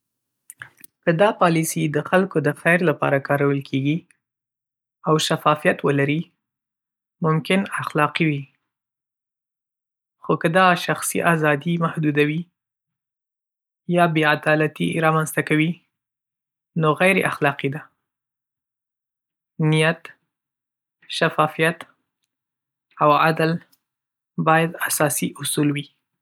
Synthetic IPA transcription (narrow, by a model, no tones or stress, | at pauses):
kəd̪ɑpɑlisid̪əxalkod̪əxajɾlapɑ̰ɾakɑɾawəlkʰeɡi | awʃafɑfijat̪wəlaɾi | mʊmkɪnaxlɑqiwi | xokəd̪ɑʃaxsḭʔazɑd̪imahd̪ud̪awi | jɑbead̪ɑlat̪ḭɾɑmanzt̪akawi | noɣajɾḛʔaxlɑqid̪a | nijat̪ | ʃafɑfijat̪ | awad̪al | bɑjad̪asɑsiʔʊsulwi